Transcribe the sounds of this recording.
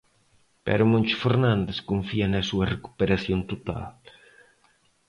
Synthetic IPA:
pɛ̰ɾʊmõnt͡ʃʊfeɾnãnd̪eskoɱfiɐnɐsuɐreku̥peɾaθjont̪ot̪a̰l

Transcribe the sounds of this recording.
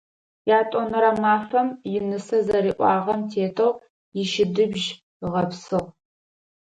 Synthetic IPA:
jaːtʼonɐɾɐmaːfɐmjɪnɨsɐzɐɾiːʔʷʼɑ̰ːʁɐmtʰeːtʰɐw | jɪʃɪdɨbʒ | ʁɐpsɨʁ

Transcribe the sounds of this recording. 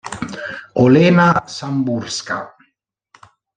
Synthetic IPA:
olenasamburska̰

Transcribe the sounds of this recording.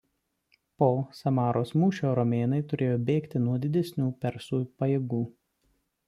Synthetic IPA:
poːsɐmɑːɾoːsmuːʃʲoːɾɔmʲeːnɐɪt̪ʊɾʲʔeːjoːbʲeːkt̪ʲɪnuɔd̪ʲɪd̪ʲɛsʲnʲuːpʲɛɾsuːjpɐjeːɡuː

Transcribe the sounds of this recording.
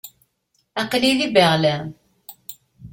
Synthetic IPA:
æqliðibæʁlæ

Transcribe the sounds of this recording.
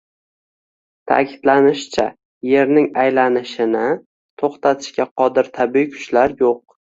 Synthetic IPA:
t̪ʰa̰kʲʰɪd̪lanɪʃt͡ʃʰa̰ | je̞ɾnɪŋajlanɪʃɪnɪ | t̪ʰoχt̪ʰat̪ʰɪ̥ʃkʲaqʰɒd̪ɪɾt̪ʰabɪikʲʰʊ̥t͡ʃlaɾjoq̚

